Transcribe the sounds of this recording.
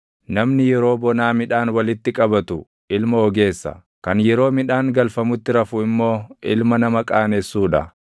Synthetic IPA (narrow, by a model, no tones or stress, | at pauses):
nɐmnɪjɛɾo̞ːbɔnaːmɪᶑaːnwɐlɪt̪ːɪkʼɐbɐt̪ʊ | ʔɪlmɐɔɡe̞ːsːɐ̰ | kɐnjɛɾo̞ːmɪᶑaːŋɡɐlfɐmʊt̪ːɪɾɐfʊɪmːo̞ːʔɪ̰lmɐnɐmɐkʼaːnesːuːᶑɐ̰